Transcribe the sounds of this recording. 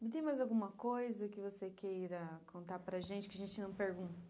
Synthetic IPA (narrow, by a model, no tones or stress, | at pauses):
t̪̬ẽj̃majzawɡũmɐkojzɐkɪvosekejɾɐkʰõnt̪aɾpɾɐʒẽnt͡ʃɪ̥kɪaʒẽnt͡ʃɪnɐ̃w̃peɾɡũnt̪ɐɐ